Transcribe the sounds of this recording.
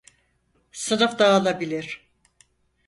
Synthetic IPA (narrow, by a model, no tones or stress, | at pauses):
sɯnɯfd̪aːlˠabilʲiɾ̥